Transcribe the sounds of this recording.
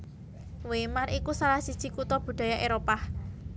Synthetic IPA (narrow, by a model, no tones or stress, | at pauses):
wemarikusalahsid̥ʒ̥i̤kut̪ɔb̥ṳɖ̪̥a̤jaʔeɾopah